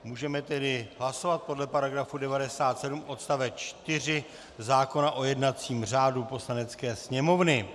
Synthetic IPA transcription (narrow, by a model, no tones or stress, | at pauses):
muːʒɛmɛt̪ɛdɪɦlaso̞vat̪̚po̞dlɛpaɾaɡɾafudɛvadɛsaːt̪sɛdumʔo̞t̪st̪avɛt͡ʃt̪ɪrɪ | zaːko̞naʔo̞jɛdnat͡siːmr̝aːdupo̞slanɛt͡skɛːsɲɛmo̞vnɪ